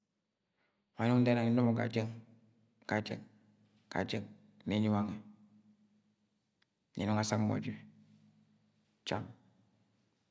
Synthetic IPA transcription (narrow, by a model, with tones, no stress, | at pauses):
ma˨nu˦dɛ˦na˨ŋi˦n˦du˦mo˨ɡa̰˨d͡ʒə˦ŋ | ɡ̥a˨d͡ʒə̰˦ŋ | ɡ̥a̰˨d͡ʒə˦˨ŋ | ne˨˦ɲi˦wa˦ŋe˨ | nḭ˨nu˦ŋa˦˨sa˦ŋmo̰˨d͡ʒi˦˨ | t͡ʃa̰˦˨m